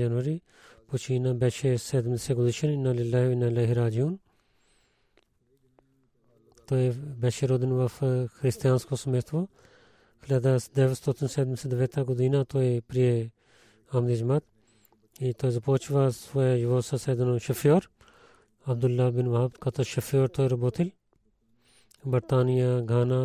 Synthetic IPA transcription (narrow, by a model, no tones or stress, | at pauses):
d͡ʒɐnʋɐɾi | put͡ʃʰinabɛːʃesed̪mseɡʊd̪iʃɐninːalilːaːɦʋinalɐɦiɾaːd͡ʒjun | t̪oːebɛʃeɾoːd̪inʋafɐxʰɾist̪ijaːnskosɐmeːt̪ʰʋo | kʰɐleːd̪asd̪eʋɐst̪oːt̪ʰinseːd̪nsɐd̪ɐʋeːt̪ʰaːɡud̪iːnaːt̪oːepɾije | aːmd̪id͡ʒmat̪̚ | it̪oːezɐpoːt͡ʃʰʋaːsʋoejʋoːsaseːd̪ɐnoʃɐfjoːɾ | ɐbd̪ulːaːbɪnʋɐɦb̪kɐt̪ʰoʃɐfjoːɾt̪oːeɾɐboːt̪ʰil | bɐɾt̪aːnijaɡʱaːnaː